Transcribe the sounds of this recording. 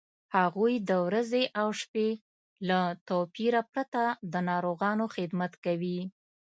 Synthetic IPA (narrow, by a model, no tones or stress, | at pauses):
haɣujd̪əwɾazeʔawʂpe | lat̪opiɾapɾat̪ad̪ənɑɾoɣɑnoxɪd̪mat̪kawi